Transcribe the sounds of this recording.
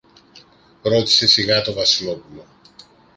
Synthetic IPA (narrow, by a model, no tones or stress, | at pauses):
ɾo̞t̪i̥se̞siɣɐt̪o̞vɐsilo̞pulo̞